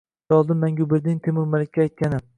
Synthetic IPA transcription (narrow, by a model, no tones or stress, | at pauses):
ɒlˠd̪ɪmːaŋɡʲʊbɪɾd̪ɪŋt̪ʰemʊɾmalɪkʲːaːjt̪̚kʲanɪ